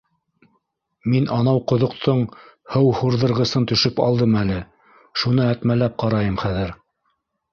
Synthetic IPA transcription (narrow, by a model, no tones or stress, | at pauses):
minʔɑnɑwqŏðŏqt̪ʰɤɴ | hɤwhuɾðɤ̆ɾʁɤ̆sɤnt̪ɵ̆ʃɵpɑ̰lˠd̪ɤmælɘ | ʃunɤæt̪mælæp̚qɑɾɑjɤmχæðɘɾ